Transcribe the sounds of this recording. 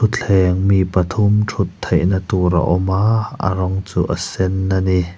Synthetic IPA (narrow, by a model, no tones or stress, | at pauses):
ut̪̚ɛŋmipɐt̪ʰumʈʰut̪ʰːejʔnat̪uɾa̰ʔɔmaːa̰ɾɔŋt͡suːʔɐsɛnːani